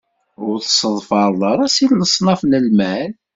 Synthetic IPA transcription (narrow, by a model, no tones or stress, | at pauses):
ʊɾθə̥səðˤfɑɾˤðˤəɾˤɑsilləsˤnɑfnəlmæl